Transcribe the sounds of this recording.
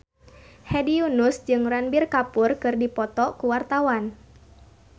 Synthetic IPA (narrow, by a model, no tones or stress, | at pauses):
hɛdiunusd͡ʒɨŋranbirkapʊrkɨrdipɔt̪ɔkuwart̪awan